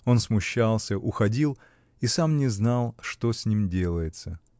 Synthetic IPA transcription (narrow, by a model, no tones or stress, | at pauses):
o̞nsmʊɕːalˠsʲəʔʊxɐdʲilˠ | isamnʲɪznalˠʂt̪o̞sʲnʲimdʲe̞lˠəjɪt̪sə